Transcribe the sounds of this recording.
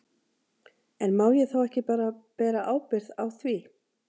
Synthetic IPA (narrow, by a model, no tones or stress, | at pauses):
ɛnmaːwjɛθawɛhcɪpaːɾapɛːɾaʔaːwpɪɾ̥ðawθvi